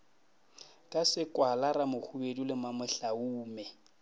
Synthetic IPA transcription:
kʼasɪkʼwalaɾamʊk͡xʰubedulɪmamɛɬauːmɛ

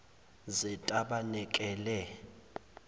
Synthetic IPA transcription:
zɛtʼaɓanɛkʼɛːlɛ

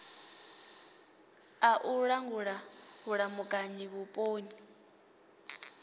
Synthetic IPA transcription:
aʔuɺaŋɡuɺahuɺamukʼaɲiβupʼoːni

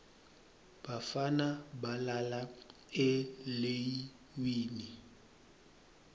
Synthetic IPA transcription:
b̥afanabalala | ɪlei | wiːni

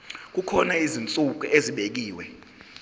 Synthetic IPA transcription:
k̬ukʰɔnaizint͡sʼuk̬ʼuʔeziɓek̬iːwɛ

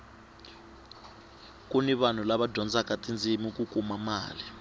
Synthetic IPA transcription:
k̬ʼuniɓan̤ulaɓadʱɔnd͡zʱakʼatʼind͡zʱimik̬ʼuk̬ʼumamaːli

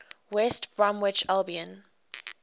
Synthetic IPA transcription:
wɛstb̥ɹɔ̃mwɪt͡ʃalbiə̃n

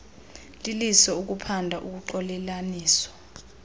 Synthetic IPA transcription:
lilisɔuk̬upʰandʱaʔuk̬uǃɔlɛlaniːsɔ̥

